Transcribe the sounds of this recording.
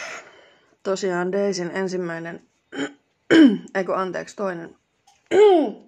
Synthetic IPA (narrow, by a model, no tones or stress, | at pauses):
t̪osiɑːndeisinensimːæinen | eikøɑnt̪ḛːkst̪oinen